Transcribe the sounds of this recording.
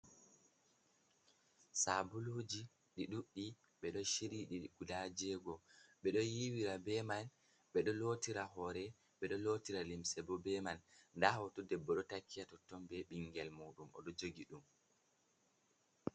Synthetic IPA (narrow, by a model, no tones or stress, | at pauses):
sabulod͡ʒi | ɗiɗuɗːi | ɓɛɗɔʃiɾiɗiɡudad͡ʒɛɡɔɓɛɗɔjiwiɾabɛman | ɓɛɗɔlotiɾaɦɔɾɛ | ɓɛɗɔlotiɾalimsɛbɔbɛmanndahɔtɔdɛbːɔɗɔtakːijatɔtːɔmbɛɓiŋɡɛlmoːɗumɔ̰ɗɔd͡ʒoɡiɗum